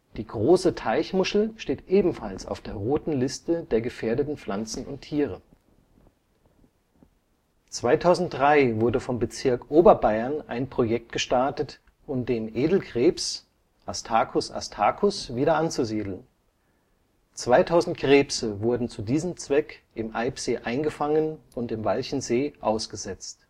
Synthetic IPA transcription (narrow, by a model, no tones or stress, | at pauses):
d̥iːɡʁoːsətʰaɪçmʊʃl̩ʃteːtʔeːbm̩falsa̰ʊfd̥eːɐʁoːtn̩lɪstədeːɐɡəfeːɐdətn̩flant͡sn̩ʊ̰ntʰːiːʁ̞ə | t͡sv̥aɪtʰaʊzn̩t̚d̥ʁaɪvʊɐdəfɔmbət͡sɪɐkʔoːbɐbaɪɐnʔa̰ɪnpʁ̥ojɛk̚t̚ɡ̥əʃtaɐtət | ʔʊmdeːmʔeːdl̩ɡʁ̥eːps | ʔastʰaːkʰʊsa̰stʰaːkʰʊsv̥iːɾɐʔant͡suziːdl̩n | t͡sv̥aɪtʰaʊzn̩tɡ̥ʁeːpsəvʊɐdn̩t͡sudiːzəmt͡sv̥ɛkʔɪmʔaɪpz̥eːʔaɪnɡəfaŋənʊntɪmvalçn̩zeːʔa̰ʊsɡ̥əzɛt͡st